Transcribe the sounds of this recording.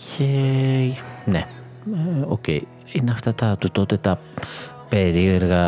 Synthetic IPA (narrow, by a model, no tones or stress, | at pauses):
je | ne | okḛi | inaft̪at̪at̪ut̪ot̪et̪a | peɾioɾɣa